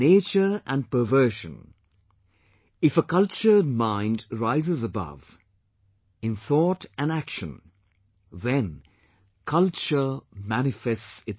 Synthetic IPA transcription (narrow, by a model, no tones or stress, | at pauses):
eɪt͡ʃə˞ə̃n̚pə˞vɜ˞ʃə̰̃n | ɪfəkʌlˠt͡ʃə˞d̚mãɪ̃ndɹaɪzɪzəbʌ̰v | ɪ̃nθɔtɨ̃nækʃə̃n | ðɛ̃n | kʰʌlˠt͡ʃə˞mænɪfɛstsɪt